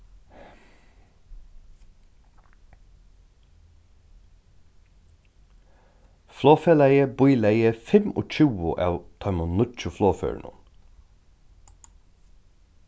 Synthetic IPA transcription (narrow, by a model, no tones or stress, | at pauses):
floːfeːlæɪəbʊʏlæɪəfɛmo̰ːc͡çʉːʊʔæt̪ʰɑmʊnʊt͡ʃʊfloːfø̰ːɳʊ̰n